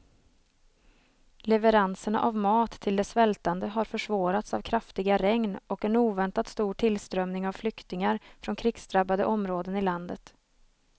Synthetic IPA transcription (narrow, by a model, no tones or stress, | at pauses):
lɛvəɾansəɳa̰ʔavmɑːt̪ʰːɪld̪ɛsvɛlt̪and̪əɦaɾfœʂvɑːɾat̪savkʰɾaft̪ɪɡaɾɛŋnɔkɛnuːvɛnt̪at̪st̪uːʈʰɪlst̪ɾœmnɪŋavflʏkt̪ɪŋaɾfɾɔnkʰɾɪksd̪ɾabːad̪ə̰ʔɔmɾoːd̪ənɪland̪ət̪